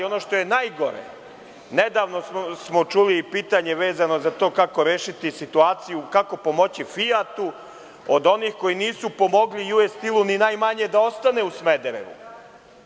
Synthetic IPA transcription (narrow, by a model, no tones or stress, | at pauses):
o̞no̞ːʃt̪o̞je̞naːjɡo̞ɾḛ | ne̞d̪aːʋno̞ssmo̞t͡ʃuliːpiːt̪aɲe̞ʋe̞ːzano̞zat̪o̞ːkako̞ɾeːʃit̪isit̪uaːt̪sijukako̞po̞mo̞t͡ɕifiat̪u | od̪o̞niːxko̞jiniːsupo̞mo̞ɡlijuest̪ilˠuninaːjmaɲe̞d̪ao̞st̪aneusmed̪eɾḛʋṵ